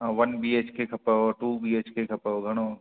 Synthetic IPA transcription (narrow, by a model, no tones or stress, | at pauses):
ɦaʋɐnbiːeːt͡ʃkekʰɐpəɦoʈuːbiːeːt͡ʃkekʰɐpəɦoɡʱɐɽ̃õː